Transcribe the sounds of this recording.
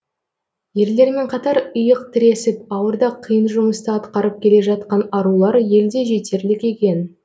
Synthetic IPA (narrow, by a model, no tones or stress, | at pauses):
je̞ɾle̞ɾme̞ɴqʰɑt̪ɑɾəjəq̚t̪ʰɪɾe̞sɪp̚ɑwəɾd̪ɑqʰijənʒʊməst̪əɑt̪qɑɾəp̚kʲʰe̞le̞ʒɑt̪̚qɑnɑɾulˠɑɾje̞ld̪e̞ʒe̞t̪e̞ɾlɪkʲe̞kʲe̞n